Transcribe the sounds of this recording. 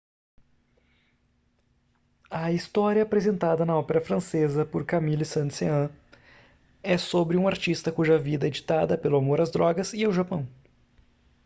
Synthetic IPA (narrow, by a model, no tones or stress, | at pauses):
ɐist̪ɔɾjiɐːpɾezẽnt̪ad̪ɐnɐɔpeɾɐfɾɐ̃sezɐpoɾkamilisɐ̃nt̪seɐ̃ | ɛsobɾɪũaɾt͡ʃist̪ɐkuʒɐvid̪ɐed͡ʒit̪ad̪ɐpelʊamoɾɐzd̪ɾɔɡɐziawʒapɐ̃w̃